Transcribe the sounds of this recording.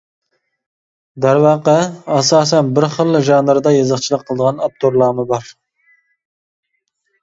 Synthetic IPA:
d̪æɾwɑːqəɑsɑːs̬ɛnbɪɾχəlˠːʒɑnd̪ɑɾd̪ɑjɑzəχt͡ʃʰilˠəqʰːəlˠəd̪əʁɑnɑp̚t̪ʰoɾlˠɑːmɨbɑɾ

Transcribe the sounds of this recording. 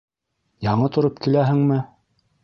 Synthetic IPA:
jɑɴɤt̪ŏɾop̚kilæɦɘ̆ŋmɘ

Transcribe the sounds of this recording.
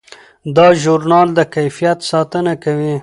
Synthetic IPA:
d̪ɑʒʊɾnɑld̪əkajfijat̪sɑt̪ənakawi

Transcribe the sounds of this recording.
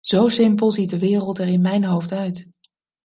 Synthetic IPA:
z̥owsɪmpəlˠzit̚dəʋɪːrəlˠtɛɹɪnmɛjnɦowftœɥt

